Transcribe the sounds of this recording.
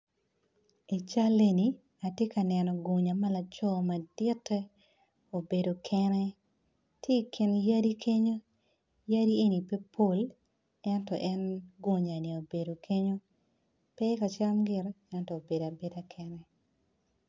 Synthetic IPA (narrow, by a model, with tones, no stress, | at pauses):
e˨t͡ʃa˦le˦ni˨ | a˨tje˦ka˨nɛnɔ˨ɡo˨ɲa˨ma˦la˨t͡ʃɔ˦ma˨d̥ɪ˦tːɛ˦ | o˨be˨do˨kʰɛnɛ˦ | tʰje˦kʰɪ˨nja˦di˦kʰe˦ɲo˦ | ja˦di˦e˦ni˨pe˦pʰo˦l | ɛ˦ntɔ̰˨ʔɛ˦nɡo˨ɲa˨ni˨o˨be˨do˨kʰe˦ɲo˦ | pɛ˦ka˨t͡ʃa˦mɡɪ˨r | ɛ˦ntɔ˨o˨be˨da˨be˦da˦kʰɛnɛ˦